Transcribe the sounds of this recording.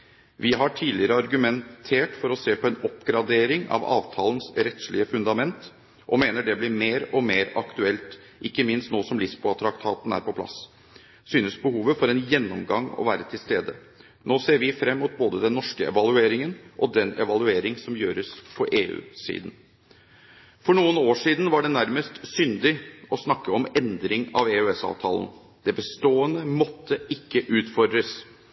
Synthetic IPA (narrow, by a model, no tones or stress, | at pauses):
ʋɪɦɑʈʰiːlɪəɾəɑɾɡʉmɛnt̪ʰeːʈfɔɾɔseːpʰɔɛnɔpːɡɾɑd̪eːɾɪŋɑ̰ʋɑ̰ːʋt̪ʰɑːlənsɾɛt̪slɪəfʉnd̪ɑmɛnt̪ | ʔɔmeːnəɖɛblɪɾmeːɾɔmeːɾɑkt̪ʉɛlt̪ | ʔɪkːəmɪnst̪noːsɔmlɪsbʊɑt̪ɾɑkt̪ʰɑːt̪n̩æ̰ːɾpʰɔpʰlɑ̰s | syːnəsbəhuːʋəfɔɾɛnjɛnːɔmɡɑŋɔ̰ʋæːɾət̪ʰɪlst̪eːd̪ə | nʔoːseːɾʋɪfɾɛmːut̪̚boːd̪əd̪ɛnːɔʂkəɛ̰ʋɑlʉeːɾɪŋənʔɔd̪ɛnɛ̰ʋɑlʉeːɾɪŋsɔmjøːɾəspʰɔʔeːʉ̰ːsḭːd̪ən̩ | fɔɳuːənoːʂiːd̪n̩ʋɑɖɛnæɾməst̪sʏnd̪ɪɔsnɑkːəɔmɛnd̪ɾɪŋɑ̰ʋeːʉɛsɑ̰ːʋt̪ʰɑ̰ːlən̩ | d̪̥ɛbəst̪oːənəmɔt̪ːəɪkːəʔʉːt̪fɔɾɖ̪ɾəs